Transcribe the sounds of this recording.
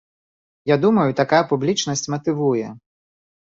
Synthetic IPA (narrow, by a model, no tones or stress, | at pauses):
jad̪umɐjut̪akajɐpublʲit͡ʂnɐsʲt͡sʲmɐt̪ɨvujɛ